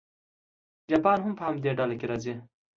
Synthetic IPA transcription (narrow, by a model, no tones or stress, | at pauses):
d͡ʒapɑːnɦʊmpəhamd̪eɖalakeɾɑzi